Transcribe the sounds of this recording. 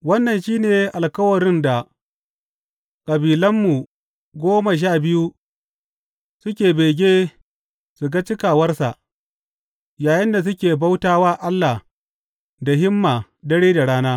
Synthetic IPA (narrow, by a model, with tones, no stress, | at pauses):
wɐ˦nːɐ˨nʃiː˦neː˨ʔa˨lkɐ˦wɐ˨ɽɪ˦nda˨ | kʼɐ˨biː˨lɐ˦mːu˨ | ɡʷoː˦ma˨ʃ̬aː˦˨bɪ˦ju˦ | sʊ˦kʲeː˨beː˨ɡʲeː˦ | su˨ɡa˦t͡ʃɪ˦kaː˨wɐ˦rsa˨ʔ | jaː˨jɪ˦nda˨s̬ʊ˦kʲeː˨ba˦wtaː˦waː˦ʔa˦lːa˨h | da˨ɦɪ˦mːaː˨ | dɐ˦ɽeː˦da˨ɽaː˦naː˦